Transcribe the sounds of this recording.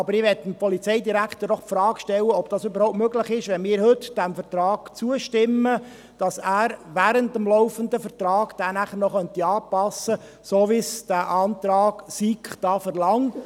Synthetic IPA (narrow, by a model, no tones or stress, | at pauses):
ɑbəɾɪʋɛtːəmpɔlit͡sɛɪdiɾækχt̪əɾdɔχpfɾɑːkʃtɛlːəɔb̚d̥ɑːsʏbəɾhoʊptmøɡlɪχɪʃʋɛnmɪːɾhʏtd̥æmfəɾt̪ɾɑːɡ̥t͡suəʃtɪmːə | d̥ɑsæːɾʋæɾəntəmlɔʊfənd̪əfəɾtɾɑːɡ̥d̥æːnæχəɾnɔχœnt̪iɑːpɑsːə | soʋisd̥æʔɑːnt̪ɾɑːɡ̥sikχd̥ɑːfɛɾlɑŋ